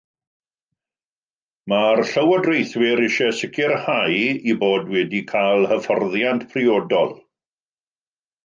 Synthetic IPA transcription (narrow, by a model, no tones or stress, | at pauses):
marɬəwədrejθwɪɾɪʃɛsɪkʰɪrhajiboːdwɛdikʰajlˠhəfɔrðjantpʰrɪoːdɔlˠ